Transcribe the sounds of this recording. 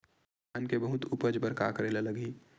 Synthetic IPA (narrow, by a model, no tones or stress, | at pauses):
ənkebəɦʊt̪ʊpəd͡ʒbəɾka̰ːkɾeːlelɐɡiː